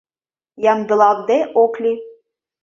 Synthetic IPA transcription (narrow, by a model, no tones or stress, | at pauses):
jɑmd̪ɤ̆lˠɑvd̪eʔoklʲi